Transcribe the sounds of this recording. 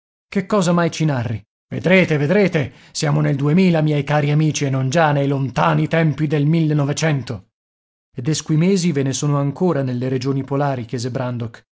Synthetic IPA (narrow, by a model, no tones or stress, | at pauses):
kekːɔːzamajt͡ʃinarːi | vḛd̪ɾeːt̪eved̪ɾeːt̪e | sjaːmoneld̪uemiːlamjɛjkaːɾiamiːt͡ʃienːond͡ʒanejlont̪aːnit̪ɛmpid̪elmilːenːɔvet͡ʃɛnt̪o | ed̪ːeskuimeːzivenesoːnoaŋkoːɾanelːeɾed͡ʒoːnipolaːɾikjɛːzebɾand̪ok